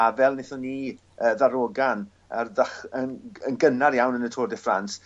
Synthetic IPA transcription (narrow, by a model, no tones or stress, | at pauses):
avɛlˠnɪθɔniː | əːðaɾoːɡan | arðəχənənɡənaɾjawnənətʰoːrdɛfrans